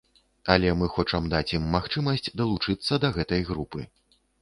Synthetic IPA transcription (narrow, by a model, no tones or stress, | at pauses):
ɐlʲɛmɨxɔt͡ʂɐmd̪at͡sʲjimːaxt͡ʂɨmɐsʲt͡sʲd̪ɐlˠut͡ʂɨt̪sːɐd̪ɐɣɛt̪ɐjɣɾupɨ